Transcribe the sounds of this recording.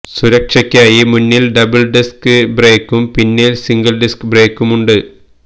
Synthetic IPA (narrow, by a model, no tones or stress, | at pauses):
suɾɐkʂɐkʲːaːjimunːilɖɐbɨlɖiskɨbreːkːumpinːilsiŋɡɐlɖiskbre̞ːkːumuɳɖɨ